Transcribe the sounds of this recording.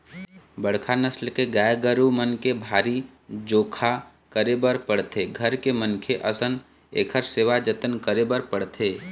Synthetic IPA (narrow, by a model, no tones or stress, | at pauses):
bəɽ̤kʰanəslkeɡajɡəɾumənkebʱaːɾi | d͡ʒoːkʰa | kəɾebəɾpəɽt̪ʰeɡʱəɾkemənkʰeʔəsən | ḛːkʰəɾseːʋad͡ʒət̪ənkəɾebəɾpəɽt̪ʰeː